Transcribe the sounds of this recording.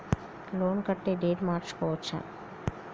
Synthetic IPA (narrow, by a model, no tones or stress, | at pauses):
loɳkəʈːeɖeːɖmaːɾt͡ʃkɔt͡ʃʰə̰̃